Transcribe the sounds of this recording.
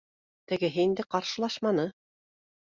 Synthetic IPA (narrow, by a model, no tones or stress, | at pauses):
t̪ɘ̆ɡɘ̆ɦɘind̪ɘqɑɾʃɤ̆lˠɑʃmɑnɤ